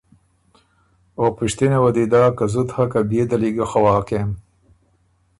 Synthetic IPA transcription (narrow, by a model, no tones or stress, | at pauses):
opɪʃt̪inewɐd̪id̪ɑːkazut̪hakabed̪aliɡaxawɑːkem